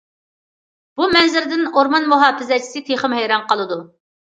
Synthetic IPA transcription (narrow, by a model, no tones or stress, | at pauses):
b̥umɛnzɪɾd̪ɪnoɾmɑnmuɦɑːfɪzɛt͡ʃʰi̥sɪt̪ʰeχəmɦɛjɾɑnqəlˠɨd̪u